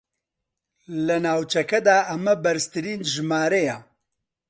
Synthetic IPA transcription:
lɐnaːwt͡ʃɐkɐd̪aːʔɐmɐbɐɾɨst̪ɨɾiːnʒɨmaːɾejɛ

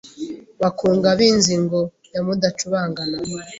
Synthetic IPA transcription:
βakuːŋɡaβiːnziŋɡo | jamudat͡ʃuβaːŋɡana

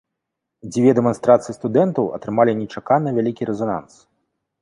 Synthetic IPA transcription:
d͡zʲvʲɛd̪ɛmɔnst̪ɾat̪sɨjist̪ud̪ɛnt̪ɐwɐ̰t̪ɾɨmalʲinʲɛt͡ʂakanɨvʲalʲikʲiɾɛzɔna̰ns

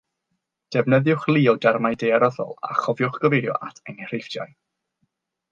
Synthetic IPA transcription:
d̥ɛvnəðjʊχlˠiːɔdɛrmajdeaɾɔðɔ̰lˠa̰χɔvjʊχɡ̥əvejɾjɔ̰ʔatʰɛnir̥efdja̰j

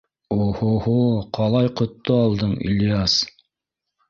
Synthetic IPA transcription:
ohohoqʰɑlˠɑjqŏt̪ːoɑlˠd̪ɤɴḭlʲjas

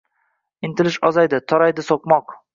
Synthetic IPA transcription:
ɪnt̪ɪlɪʃɒzajd̪ɪt̪ʰɒɾajd̪ɪsoq̚mɒq

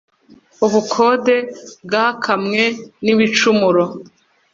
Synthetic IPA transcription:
uβukʰo̞de̞bɡakʰamŋe̞niβit͡ʃumuɾo

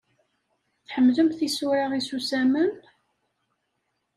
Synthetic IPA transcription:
θħəmːðəmθisuɾɑʁisusæmən

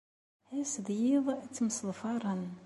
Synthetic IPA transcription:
hæsðjiðˤt͡sːəmsəlfɑɾˤən

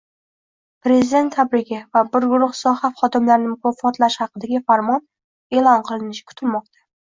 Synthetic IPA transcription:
pɾe̞zɪd̪e̞nt̪ʰːabɾɪɡʲɪvabɪɾɡʊɾʊχsɒhaχɒd̪ɪmlaɾnɪmʊkʰɒfɒt̪laʃhɑqɨd̪aɡʲɪfaɾmɒn | e̞lˠɒnqʰɨlˠɪnɪʃɪkʰʊ̥t̪ʰɪlmɒqt̪ʰḁ

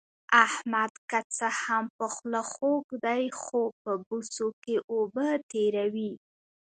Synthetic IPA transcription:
ahmad̪kat͡səhampəxlaxokd̪ajxopəbusokeʔobət̪eɾawi

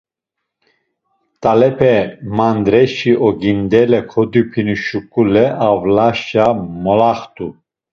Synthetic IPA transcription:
t̪ʼalɛpʰɛmand̪ɾɛʃiʔɔɡind̪ɛlɛkʰɔd̪ipʰinuʃukʼulɛʔavlaʃamɔlaχt̪ʰʼu

